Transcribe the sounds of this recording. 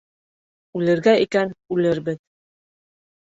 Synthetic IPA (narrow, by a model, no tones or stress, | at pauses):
ʉlɘ̆ɾɡæikænʉlɘɾbɘð